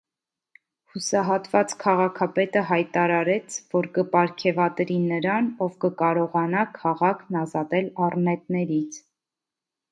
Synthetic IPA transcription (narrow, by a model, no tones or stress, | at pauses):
husɑɦɑt̪vɑt͡skʰɑʁɑkʰɑpɛt̪əɦɑjt̪ɑɾɑɾɛt͡sʰvɔɾkəpɑɾkʰɛvɑt̪ɾinəɾɑnɔvkəkɑɾɔʁɑnɑkʰɑʁɑkʰnɑzɑt̪ɛlɑrnɛt̪̚nɛɾit͡sʰ